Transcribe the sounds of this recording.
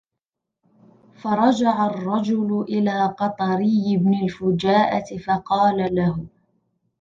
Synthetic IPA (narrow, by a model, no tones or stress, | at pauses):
fɑɾˤɑd͡ʒaʕarˤːɑd͡ʒʊlʊʔɪlaːqɑt̪ˤɑɾɪjːɪbnɪlfʊd͡ʒaːʔat̪ɪfɑqɑːlalahʊ